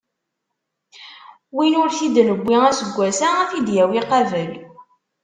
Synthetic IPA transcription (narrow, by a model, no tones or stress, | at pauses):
winʊɾθid̪nəbːiæsəɡʷːæsaæfid̪jæwiqɑvəl